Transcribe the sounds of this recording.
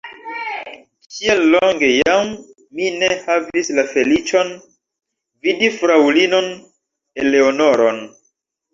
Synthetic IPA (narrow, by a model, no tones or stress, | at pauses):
kielːoŋɡe̞jam | minehavislafe̞lit͡ʃo̞n | vidifɾawlino̞n | eleono̞ɾon